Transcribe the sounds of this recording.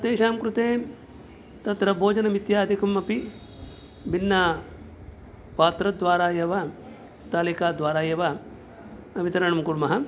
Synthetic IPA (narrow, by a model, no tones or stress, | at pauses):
ɐt̪eːʃaːmkɾut̪eːm | t̪ɐt̪ɾɐbʱoːd͡ʒɐnɐmit̪jaːd̪ʱikumɐpi | binːɐ | paːt̪ɾɐd̪ʋaːɾaːjɐʋɐ | st̪aːlikaːd̪ʋaːɾaːjɐʋɐ | ɐʋit̪ɐɾɐɳɐmkuɾmɐɦɐ